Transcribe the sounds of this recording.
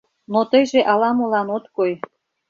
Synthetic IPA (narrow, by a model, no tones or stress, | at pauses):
not̪əjʒeʔɑlɑmolɑnot̪koj